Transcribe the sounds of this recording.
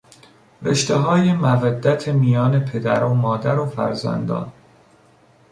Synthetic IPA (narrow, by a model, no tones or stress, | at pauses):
veʃt̪eɦɒːjemævæd̪ːæt̪ʰemijɒːne̞pʰe̞d̪æɾomɒːd̪æɾofæ̰ɾzæ̰nd̪ɒ̰ːn